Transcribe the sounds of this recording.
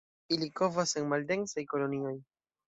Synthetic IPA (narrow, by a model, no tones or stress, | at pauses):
iliko̞vasenmalde̞nsajko̞lo̞nio̞j